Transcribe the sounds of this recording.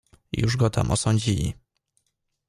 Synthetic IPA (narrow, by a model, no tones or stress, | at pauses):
juʐɡɔt̪ʰa̰mʔɔsɔɲd͡ʑilʲḭ